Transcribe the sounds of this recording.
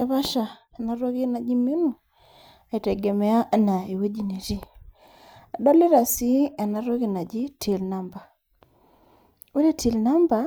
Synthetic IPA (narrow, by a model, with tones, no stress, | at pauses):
e˨βa˦ʃa˨a˨na˦ɾo˦ɣe˦na˨d͡ʒi˦mi˦nu˨ | a˨i˨tɛ˨ɡe˨mɛ˨a˦na˨e˨we˦d͡ʒi˨ne˨ɾi˦ | a˨da˦li˦ɾa˨si˦a˨na˨ɾo˦ɣi˨na˨ɟi˦ti˨lna˦mba˨ | u˦ɾe˦ti˨lna˦mba˨